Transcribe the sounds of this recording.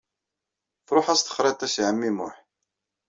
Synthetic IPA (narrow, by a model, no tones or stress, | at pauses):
fɾˤoħæst̪ə̥χɾˤet̪ˤːæsʕəmːimʊ̰ħ